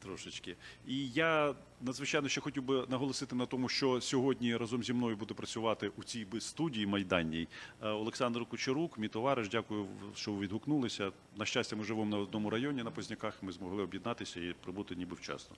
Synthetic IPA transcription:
t̪ɾɔʃɪt͡ʃkɪija | nɐd̪zʋɪt͡ʃajnɔʃt͡ʃɛxɔtʲiwbɪnɐɦɔlˠɔsɪt̪ɪnɐt̪ɔmʊʃt͡ʃɔsʲɔɦɔdʲnʲiɾɑzɔmzʲimnɔjʊbud̪ɛpɾɐt͡sʲʊʋɑt̪ɪʔut͡sʲijbɪst̪udʲijimɐjd̪ɑnʲːijɔlˠeksɑnd̪rkʊt͡ʃɪɾukmʲijt̪ɔʋɑɾɪʒdʲakʊjʊʃt͡ʃɔʋʋʲid̪ɦʊknulˠɪsʲɐ | nɐʃt͡ʃasʲtʲɐmɪʒɪʋɔmnɐɔd̪nɔmʊɾɐjɔnʲinɐpɔzʲnʲɐkɑxmɪzmɔɦlˠɪɔbjɛd̪nɑt̪ɪsʲɐipɾɪbut̪ɪnʲibɪwt͡ʃɑ̰st̪ɔ̥

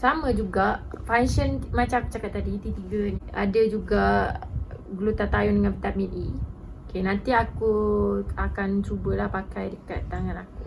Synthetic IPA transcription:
samə̃d͡ʒuɡaʔfanʃənmat͡ʃakə̥t͡ʃakat̪ːadit̪it̪iɡənia̰dad͡ʒuɡa | ɡlut̪at̪ajɔndəŋanpət̪amit̪̚i | kenant̪iakuakant͡ʃubəlahpakajdəkat̪ːaŋanaku

